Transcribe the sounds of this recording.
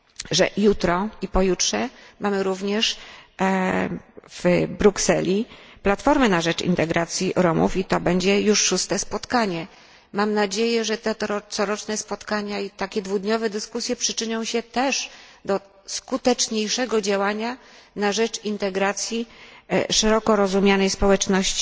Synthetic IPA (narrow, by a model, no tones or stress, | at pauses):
ʐɛ̰jut̪ɾɔipɔjutʂɛmʔamɘɾuvɲɛʂ | v̥bɾuksɛlʲiplat̪fɔɾmɘnaʐɛt͡ʂḭnt̪ɛɡɾat̪sʲjiʔɾɔmṵfit̪ɔbɛɲd͡ʑɛjuʂːust̪ɛspɔt̪kaɲɛ | mamnad͡ʑejɛʐɛt̪ɛt̪ɾɔt̪sɔɾɔt͡ʂnɛspɔt̪kaɲait̪akʲɛd̪vud̪ɲɔvɛd̪ɘskusʲjɛpʂɘt͡ʂɘɲɔ̃w̃ɕɛt̪ɛʂd̪ɔ | skut̪ɛt͡ʂɲejʂɛɡɔd͡ʑawaɲanaʐɛt͡ʂint̪ɛɡɾat̪sʲji | ʂɛɾɔkɔɾɔzumʲjanɛjspɔwɛt͡ʂnɔɕt͡ɕi̥